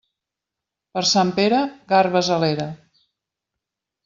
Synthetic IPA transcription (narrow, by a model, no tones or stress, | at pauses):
pəɾsampeɾəɣarβəzəleɾə